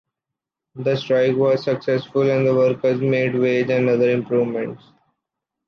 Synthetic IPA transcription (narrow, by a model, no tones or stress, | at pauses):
d̪əsʈɾaɪkʋɔːzsəksɛsfʊlɛ̃nd̪əʋəɾkəɾzmeːɖʋeːd͡ʒɛ̃ɳʌd̪əɾɪ̃mpɾuːʋmɛ̃ɳʈs